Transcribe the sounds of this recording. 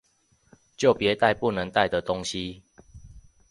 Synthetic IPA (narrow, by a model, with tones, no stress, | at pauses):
t͡ɕjo˥˨ʊpjɛ˨˦t̪a˥˧ɪpu˥˨nə˨˦ŋt̪a˥˨ɪd̪ə˨t̪o˦ŋɕi˦